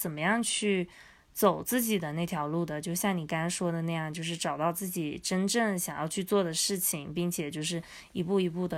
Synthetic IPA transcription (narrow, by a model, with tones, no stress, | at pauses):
t͡sə˨˩nmə˦jɑ˥˧ŋt͡ɕʰy˥˩ | t͡so˨˩ʊt͡sɹ̩˥˩t͡ɕi˨˩d̪ə˦na˥˩ɪt̪ʰjɑ˧˥ʊlu˥˩d̪ə˩t͡ɕjo˥˧ʊɕjɑ˥˩ŋni˨˩ka˥nʂwɔ˥d̪ə˨na˥˧jɑ˥˧ŋt͡ɕjo˥˧ʊʂ̬ɻ̩˥˩ʈ͡ʂɑ˨˩ʊt̪ɑ˥˧ʊt͡sɹ̩˥˩t͡ɕi˨˩ʈ͡ʂə˥nʈ͡ʂə˥˩ŋɕjɑ˨˩ŋjɑ̰˥˧ʊt͡ɕʰy˥˧t͡swɔ˥˩d̪ə˩ʂɻ̩˥˩t͡ɕʰi˩ŋpi˥˩ŋt͡ɕʰjɛ˨˩t͡ɕjo˥˧ʊʂɻ̩˥˩ | i˧˥pu˥˩i˧˥pu˥˩d̪ə˩